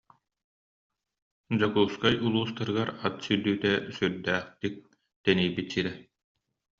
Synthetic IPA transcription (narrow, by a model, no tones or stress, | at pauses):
d͡ʑɔkuːskajulˠuːst̪aɾɯɡaɾat̪syd̪yːt̪ɛsyɾd̪æːχt̪ik̚ | t̪ɛniːbit̪siɾɛ